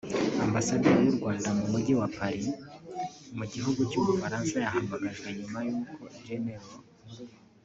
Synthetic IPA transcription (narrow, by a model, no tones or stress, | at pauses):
ambasaduɾejuɾɡwaːndamumuɟewapaɾi | muɟiɦuɡucuːmufaɾaːnsajahaːmbaɡaʒɡe̞ɲumajuːkʰo̞id͡ʒeneɾo